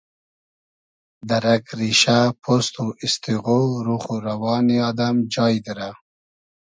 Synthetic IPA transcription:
d̪aɾakɾiʃapʰost̪uʔist̪iɣoɾuχuɾawɑːniɑd̪amd͡ʒɑjd̪əɾa

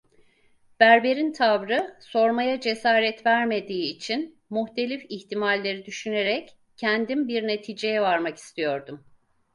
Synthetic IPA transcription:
b̥æɾbe̞ɾint̪ʰavɾɯso̞ɾmajad͡ʒe̞saːɾɛt̪væɾme̞d̪iːt͡ʃʰin | muçt̪e̞lʲifiçt̪ʰimalʲːe̞ɾid̪yʃyne̞ɾɛc | cʰːɛnd̪imbiɾne̞t̪ʰiːd͡ʒejɛvaɾmaki̥st̪ʰijo̞ɾd̪um

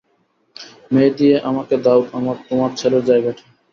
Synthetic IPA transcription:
med̪ijeʔamaked̪aut̪amaɾt̪omaɾt͡ɕʰeleɾd͡ʑaebɛʈʰe

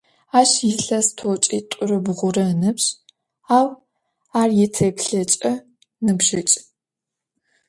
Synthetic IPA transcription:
aːʃjɪɬɐstʰoːt͡ʃʼiːtʷʼʊrɨbʁʷʊrɐnɨpɕ | aːw | aːrjɛtʰepɬɐt͡ʃʼɐ | nɨbʒɪt͡ʃʼ

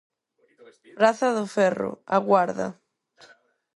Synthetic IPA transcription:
pɾaθaðʊfɛrʊ̰aɣwaɾða̰

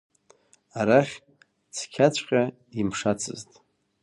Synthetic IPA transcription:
aɾaχʲ | t͡sʰkʲʰat͡ɕʷʰʼqʲʼa | imʂat͡sʰɨ̰ztʼ

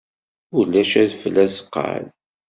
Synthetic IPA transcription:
ulːæʃæðfəlːæsə̥qːə̰l

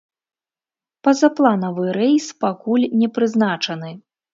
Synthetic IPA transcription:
pɐzɐplˠanɐvɨɾɛjspakulʲnʲɛpɾɨznat͡ʂɐnɨ

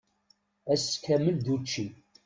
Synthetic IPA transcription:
æskːæməld̪ut͡ʃːi

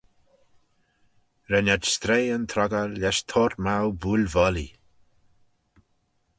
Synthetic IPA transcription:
ɾɛnad͡ʒst̪ɾeːənt̪ʰɾɔɡəlɛʃt̪ʰoːɾmawbuːlvɔlḭ

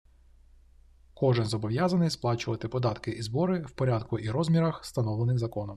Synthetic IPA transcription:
kɔʒɪnzɔbɔʋjazɐnɪjsplˠɑt͡ʃʊʋɐt̪ɪpɔd̪ɑt̪kɪʔizbɔɾɪwpɔɾʲad̪kʊʔiɾɔzmʲiɾɐxst̪ɐnɔʋlˠenɪxzɐkɔnɔm

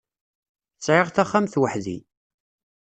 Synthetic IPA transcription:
t͡sːʕɪʁθæχːamθwəħðḭ

